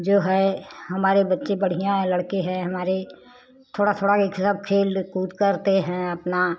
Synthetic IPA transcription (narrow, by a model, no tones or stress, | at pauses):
d͡ʒoːɦɛɦɐmaːɾebətːʃebəɽ̤ɪjãləɽkeɦɛ̃ɦɐmaːɾe | t̪ʰoːɽat̪ʰoːɽakekʰsəb̚kʰeːlkuːt̪kəɾt̪eɦɛ̃ɐpna